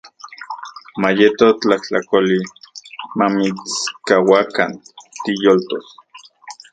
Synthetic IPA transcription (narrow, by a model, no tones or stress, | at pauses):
majet̪ot͡ɬaht͡ɬakoli | mamit͡skawaka̰nt̪ijolt̪os